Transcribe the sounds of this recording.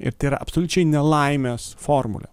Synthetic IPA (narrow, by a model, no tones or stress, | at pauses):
ɪ̰ɾt̪ɐɪiɾɐ̰ʔɐpsolʲʊt͡ʃʲɛɪnʲɛlˠɐɪmʲeːsfoːɾmʊ̰lʲɛ̰